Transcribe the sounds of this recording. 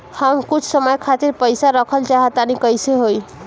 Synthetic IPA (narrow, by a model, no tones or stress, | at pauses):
həmkut͡ʃʰsəməjkʰat̪iɾpəjsaɾəkʰəlt͡ʃaɦət̪anikəjseɦoj